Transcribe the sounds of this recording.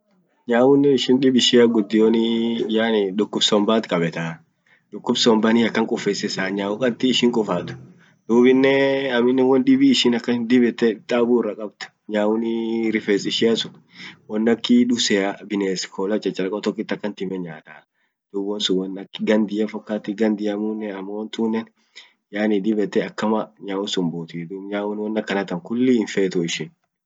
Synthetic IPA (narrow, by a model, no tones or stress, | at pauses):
ɲaːwʊnːɪɪʃɪnᶑɪbɪʃɪjaɡʊd̪ːɪjonɪjanɪᶑʊkːʊbsɔmbaːt̪kʼɐbɛt̪a | ᶑʊkːʊbsɔmbanɪɐkːɐŋkʼʊfːeːsɛsaːɲaːwʊkʼɐt̪ːɪːʃɪŋkʼʊfaːt̪ʊ̥ | d̪̥uːbɪnːɛɐmɪnːɛnwɔndɪbiːʃɪnɐkːɐnd̪ɪbɛt̪ːɛt̪ʼaːburːɐkʼɐbt̪ʊ̥ | ɲaːwʊnɪɾɪfesɪʃɪɐsʊ | wɔnːɐkːɪᶑʊsɛabɪneːskʰoːlɐt͡ʃʼːɐt͡ʃʼɐlɐkʼɔt̪ɔkːɪt̪ːɐkːɐnt̪ɪmɛɲaːt̪aː | d̪̥uːbwɔnsʊwɐnɐkːɡɐnd̪ɪjɐfɔkːaːt̪ːɪɡɐnd̪ɪjɐmuːnːɛɐmːɐwɔnt̪uːnːɛn | jaːnɪd̪ɪbɛt̪ːɛɐkːɐmɐɲaːwʊnsʊmbuːt̪id̪uːbɲaːwʊnwɔnːɐkːɐnɐt̪ɐŋkʊlːɪnfeːt̪ʊɪʃɪn